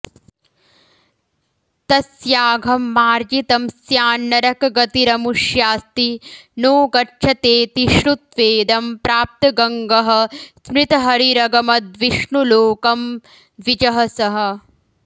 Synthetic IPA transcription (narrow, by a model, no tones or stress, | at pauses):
t̪ɐsjaːɡʱɐmːaːɾd͡ʒit̪ɐmsjaːnːɐɾɐkɡɐt̪iɾɐmuʂjaːst̪inoːɡɐʈʃʰɐt̪eːt̪iʃɾut̪ʋeːd̪ɐmpɾaːp̚t̪ɐɡɐŋɡɐɦɐ̆smɾɪt̪ɐɦɐɾiɾɐɡɐmɐd̪ʋiʂɳuloːkɐm | ʋid͡ʒɐɦɐsɐɦɐ̆